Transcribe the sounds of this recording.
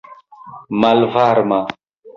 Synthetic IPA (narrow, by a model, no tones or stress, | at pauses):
malvaɾma